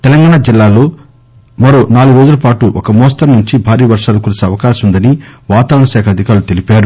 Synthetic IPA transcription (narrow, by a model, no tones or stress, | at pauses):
t̪ɛlɐŋɡaːɳad͡ʒilːaːlo̞ː | mɐɾo̞ːnaːluɡʋeːd̪ulɐpaːʈuʔɔkɐmɔːst̪ɐɾnuɲt͡ʃibʱaːɾiːʋɐɾʂaːlɐkuːlsiɐʋɐkaːʃɐmund̪ɐniʋaːt̪ɐʋɾɐɳɐʃɛːkʰɐd̪ʱikaːɾlut̪e̞lipaːɾu